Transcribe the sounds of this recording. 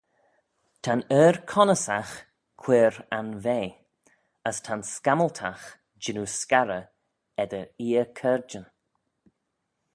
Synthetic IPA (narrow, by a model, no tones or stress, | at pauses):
tʰanɛːɾkʰɔnəsax | kʰw̥eːɾanveː | əstʰanskaməltʰax | d͡ʒɪnuskaɾə | ɛd̪əɾiːəkʰɛɹd͡ʒən